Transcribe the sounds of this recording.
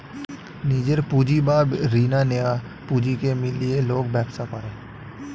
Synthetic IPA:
niːd͡ʒəɾpuːd͡ʒibaːbɾiːnaneja | puːd͡ʒikemɪlieloːɡbɛːbsapəɾẽː

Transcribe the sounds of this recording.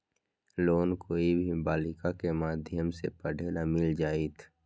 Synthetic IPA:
loːnkoːibʱibaːlɪkakemaːd̪ʱjəmsḛpəɖʱeːlamɪld͡ʒaːiːt̪ʰ

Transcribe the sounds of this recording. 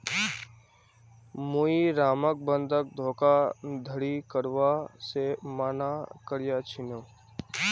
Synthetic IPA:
muiɾaːmək̚bə̃nd̪ʱək̚d̪ʱoːkad̪ʱəɽikəɾʋasemaːnakəɾjat͡ʃʰɪnoː

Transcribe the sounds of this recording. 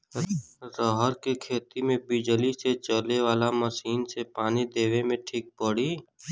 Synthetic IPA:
ɾɔɦəɾkekʰeːt̪imẽbɪd͡ʒəliset͡ʃəleʋaːlaməʃiːnsepaːnid̪eːʋemẽʈʰiːk̚pəɽiː

